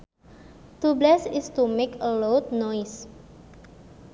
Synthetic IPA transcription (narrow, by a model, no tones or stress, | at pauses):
t̪ublɛsɪst̪umekəlowt̪̚nɔjs